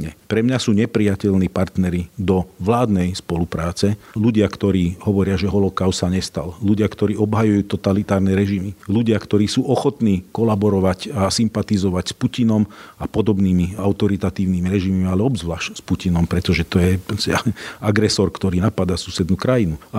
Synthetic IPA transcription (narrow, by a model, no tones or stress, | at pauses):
ɲɛpɾɛmɲasuːɲɛpɾijacɛlniːpaɾt̪nɛɾid̪ɔʋlaːd̪nɛjspɔlupɾaːt͡sɛluɟɪakt̪ɔɾiːɦɔʋɔɾɪaʒɛɦɔlɔkaʊssaɲɛst̪alluɟɪakt̪ɔɾiːɔbɦajujuːt̪ɔt̪alit̪aːɾnɛɾɛʒimiluɟɪakt̪ɔɾiːsuːʔɔxɔt̪niːkɔlabɔɾɔʋacasimpat̪izɔʋacspucinɔmapɔd̪ɔbniːmiaʊt̪ɔɾit̪at̪iːʊniːmiɾɛʒimimialɛɔbzʋlaːʃcspucinɔmpɾɛt̪ɔʒɛt̪ɔjɛsaaɡɾɛsɔɾkt̪ɔɾiːnapad̪asuːsɛd̪nuːkɾajinu